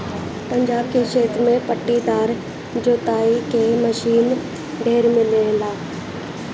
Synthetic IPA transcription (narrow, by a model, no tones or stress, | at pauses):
pɐ̃ɲd͡ʒaːbkeʃeːt̪ɾmẽpəʈːid̪aːɾ | d͡ʒoːt̪aːikeməʃiːn | ɖʱeːɾmɪlelaː